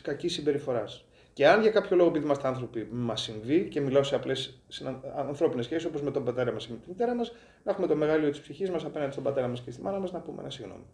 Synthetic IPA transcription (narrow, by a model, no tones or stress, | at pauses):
kɐcisːimbe̞ɾifo̞ɾɐs | ce̞ɐnʝɐkɐpço̞lo̞ɣopiðimɐst̪iɐnθɾo̞pimɐsːiɱvice̞milo̞seɐplessiɐɐnθɾo̞pinesçesiso̞po̞zme̞t̪obɐt̪e̞ɾɐmɐsemet̪imit̪e̞ɾɐmɐs | nɐexume̞t̪o̞me̞ɣɐlio̞t̪ispsiçizmɐsɐpe̞nɐnd̪st̪obɐt̪e̞ɾɐmɐscest̪imɐnɐmɐznɐpumḛnɐsiɣno̞̰mi